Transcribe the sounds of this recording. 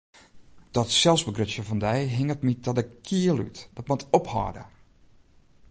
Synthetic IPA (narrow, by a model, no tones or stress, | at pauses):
d̥ɔtsɛlˠsbəɡrøsjəvɔndɛjɦɪŋətmit̚dɔdəkʰiəlˠy̰td̥ɔtmɔtʰɔphɔ̰ːdə̰